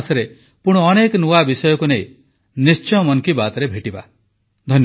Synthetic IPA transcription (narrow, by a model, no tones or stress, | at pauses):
sɔɾe | puɽ̃ɔɔnekɔnuabisɔjɔkunej̃ | nist͡ʃɔjɔmɔnkibat̪ɔɾebʱeʈiba̰ | d̪ʱɔnj